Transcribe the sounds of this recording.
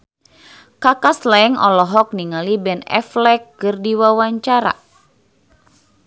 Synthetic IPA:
kakaslɛŋɔ̰lɔɦɔk̚niŋalibɛnɛ̰flɛkːɨrdiwawaɲt͡ʃaɾa̰

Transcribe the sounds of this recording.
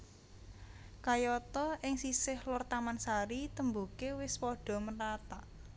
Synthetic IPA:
kajɔt̪ɔʔɪŋsisɪhlʊrt̪amansaɾit̪əmbukewɪspɔɖ̥ɔ̤mərat̪a

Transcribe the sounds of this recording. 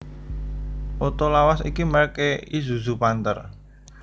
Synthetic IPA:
ʔot̪olawasḭkiməkeizuzupant̪ə̰r

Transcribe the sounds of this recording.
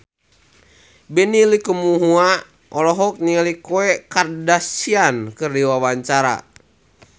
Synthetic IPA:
bɛnilikumuɦua | ʔɔlɔɦɔk̚niŋalikoɛkardasiankɨrdiwawaɲt͡ʃaɾa̰

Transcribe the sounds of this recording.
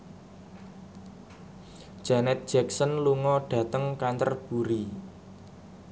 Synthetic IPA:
d̥ʒ̥anɛt̪̚d̥ʒ̥ɛksənluŋɔɖ̥ä̤t̪əŋkant̪ərb̥ṳɾi

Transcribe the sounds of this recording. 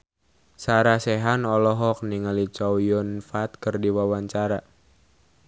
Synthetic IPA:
saɾasɛɦanɔlɔɦɔk̚niŋalit͡ʃɔwjɔnfat̪̚kərdiwawaɲt͡ʃaɾa

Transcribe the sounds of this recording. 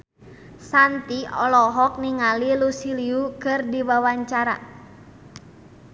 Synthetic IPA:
sant̪iɔlɔɦɔk̚niŋalilusiliukɨrdiwawaɲt͡ʃaɾa̰

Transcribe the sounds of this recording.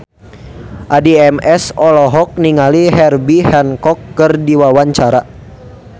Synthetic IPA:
ʔadiɛmɛsɔlɔɦɔk̚niŋaliɦɛrbihɛnkɔkːərdiwawaɲt͡ʃaɾa

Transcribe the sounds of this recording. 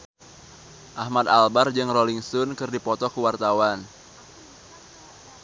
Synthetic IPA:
ʔahmat̪albard͡ʒɨŋroliŋsʊnkɨrdipɔt̪ɔkəwart̪awan

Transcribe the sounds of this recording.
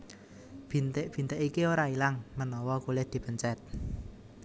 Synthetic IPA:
b̥int̪ɪʔb̥i̤nt̪eʔikioɾailaŋmənɔwɔkulɪhd̪̥i̤pəɲt͡ʃɛt̪̚

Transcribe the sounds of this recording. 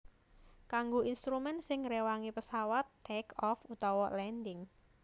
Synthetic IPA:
kaŋɡoʔinst̪ɾumɛnsɪŋɾewaŋipəsawat̪ːɛkɔfut̪ɔwɔlɛndɪŋ

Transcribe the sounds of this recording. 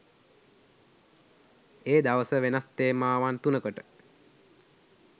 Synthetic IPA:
eːd̪aʋəsəʋenast̪eːmaːʋant̪unəkoʈə

